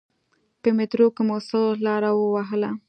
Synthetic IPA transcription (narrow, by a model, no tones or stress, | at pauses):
pəmɪt̪ɾokemosolɑɾawəwaɦəla